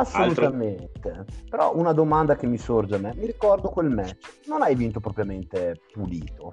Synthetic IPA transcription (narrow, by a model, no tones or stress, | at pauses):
asːolut̪ament̪epeɾɔʔunad̪omand̪ak̟emːisord͡ʒeamːɛmiɾikɔrd̪okwelmɛt̪ːononajvint̪opɾɔpɾjament̪epuliːt̪o